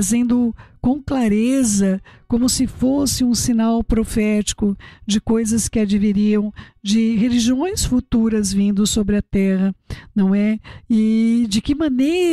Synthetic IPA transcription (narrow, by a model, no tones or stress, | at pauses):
zẽnd̪ʊkõklaɾezɐkõmʊsɪfosɪũsĩnawpɾofɛt͡ʃi̥kʊd͡ʒɪkojzɐskɪad͡ʒiviɾiɐ̃w̃d͡ʒɪɦeliʒiõj̃sfut̪uɾɐzvĩnd̪ʊsobɾɪɐt̪ɛɦɐnɐ̃w̃ɛɪd͡ʒɪkɪmɐ̃neɾ